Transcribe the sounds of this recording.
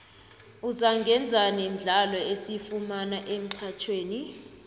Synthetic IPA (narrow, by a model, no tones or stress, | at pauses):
uzaŋɡʱɛnd͡zʱanem̩ɮalɔesifumanaʔem̩ǀʰat͡ʃʰweːni